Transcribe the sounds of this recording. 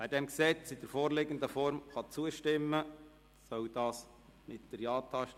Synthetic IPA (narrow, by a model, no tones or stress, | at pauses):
ʋæːdɛmksɛt͡sɪd̥əɾfoːɾlɪɡənd̪əfɔɾmχɑt͡suəʃtɪmːə | sœwd̥̪ɑːs | mɪtd̥əɾjɑːt̪ʰɑʃt